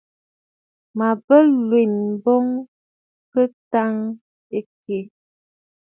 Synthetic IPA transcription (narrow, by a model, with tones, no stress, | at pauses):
ma˨bə˦lwe˨nbɔ˦ŋ | kə˦ta˦ŋ | e˦ke˨